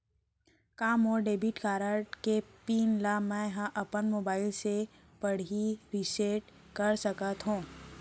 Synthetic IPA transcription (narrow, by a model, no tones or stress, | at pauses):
kaːmɔːɾɖeːbiʈkaːɾəɾʈkepiːnlamɛ̃ɦãʔɐpənmoːbaːɪlse | pəɽ̤iɾiseʈ | kɐɾsəkət̪ɦũː